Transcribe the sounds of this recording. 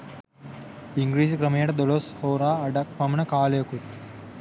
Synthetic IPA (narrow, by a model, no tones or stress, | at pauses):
iŋɡɾiːsikɾəməjəʈəd̪oloshoːɾaːɖak̚pamənəkaːləjokut̪̚